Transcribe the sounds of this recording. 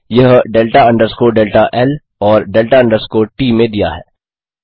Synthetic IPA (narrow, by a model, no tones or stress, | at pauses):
jɐɦɖeːlʈaɐ̃ɳɖəɾskoɖeːlʈaʔɛl | ɔːɾɖeːlʈaɐ̃ɳɖəɾskoʈiːmẽd̪ija̰ɦɛ̰ː